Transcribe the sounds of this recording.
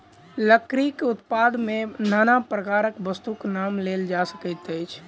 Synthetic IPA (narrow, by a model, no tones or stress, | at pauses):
ləkɾikʊt̪pad̪menanapɾəkaɾəkbəst̪uknamleld͡ʒasə̥kət̪əjt͡ʃʰ